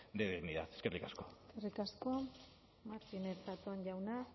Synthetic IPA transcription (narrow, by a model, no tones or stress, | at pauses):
d̪eðeɣniðat̪e̥skerlikaskoeskerikasko | maɾt̪ineɾsat̪onɟawna